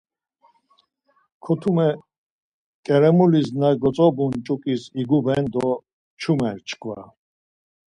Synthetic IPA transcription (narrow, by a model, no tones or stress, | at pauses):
kʰɔt̪ʰumɛ | kʼɛɾɛmuliznaɡɔt͡sʼɔbunt͡ʃʼukʼisiɡubɛnd̪ɔ | t͡ʃʰumɛɾt͡ʃʰkʰva̰